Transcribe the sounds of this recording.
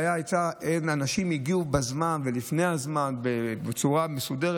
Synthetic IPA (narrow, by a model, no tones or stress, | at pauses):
jaajt͡saʔenanaʃimiɡiubazmanve̞lifnejhazmanbebet͡suʁamesudeʁ